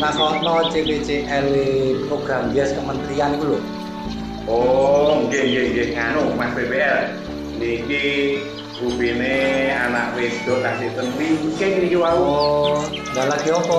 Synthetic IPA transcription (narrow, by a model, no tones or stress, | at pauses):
nakɔnɔt͡ʃepet͡ʃeʔɛlipɾoɡ̥ɾamɛskəmənt̪ɾiankulu | oŋkeŋɡeŋɡeŋanumasbebeʔɛl | niki | rubineanaʔwed̥ɔ̤kasiʔt̪ənwimukeknikiwauo | dalaɡ̥iopɔ